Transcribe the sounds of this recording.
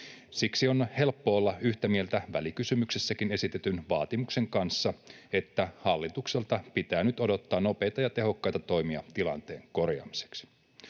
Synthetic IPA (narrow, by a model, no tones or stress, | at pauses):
siksio̞nhe̞lpːoolːɑyht̪æmie̞lt̪æʋælikysymyksesːækine̞sit̪et̪ynʋɑːt̪imukse̞ŋkɑnsːɑe̞t̪ːæhɑlːit̪ukselt̪ɑpit̪æːnyt̪o̞do̞t̪ːɑːno̞pe̞ːjt̪ɑjɑt̪e̞ɦo̞kːɑjt̪ɑt̪o̞jmiɑt̪ilɑ̰nt̪e̞ːŋko̞rjɑ̰ːmise̥ks